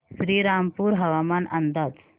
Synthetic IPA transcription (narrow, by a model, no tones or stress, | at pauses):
sɾiːɾaːmpuːɾɦɐʋaːmanɐnd̪aːd͡ʒ